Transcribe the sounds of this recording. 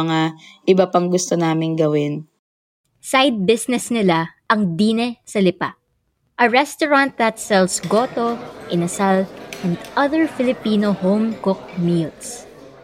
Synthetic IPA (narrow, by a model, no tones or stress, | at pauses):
ŋaʔɪbapɐŋɡʊst̪onaːmɪŋɡɐwɪn | sajd̪̚bɪsnɛsnɪlaʔɐŋd̪iːnɛsɐlɪpa | ʔɐɹɛst̪oɹãnt̪̚d̪ɐt̪sɛlsɡot̪oʔɪnɐsalʔɛ̃nd̪ʔɐðɛɹfɪlɪpiːnohowmkʊk̚miːls